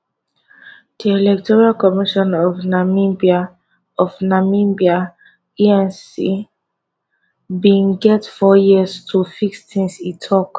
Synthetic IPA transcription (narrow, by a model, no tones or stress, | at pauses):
d̥iɛlɛk̚tʰɔɹalkɔmiʃɔ̃nɔvnamibia | ɔvnamimbia | iɛ̃nsḭ | bĩnɡɛtfɔjiəztʰufikstʰĩŋsitʰɔk